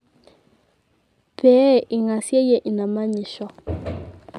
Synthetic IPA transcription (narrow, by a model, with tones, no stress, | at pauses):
pɛ˨˦ʔi˨ŋa˨sjɛ˦jɛ˦ʔi˨na˨ma˦ɲi˨ʃɔ˨